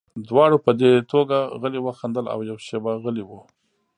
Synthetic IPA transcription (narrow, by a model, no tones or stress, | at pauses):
d̪wɑɽopəd̪et̪ʰoɡaɣəliwəxand̪əla̰wjawʃebaɣəliwu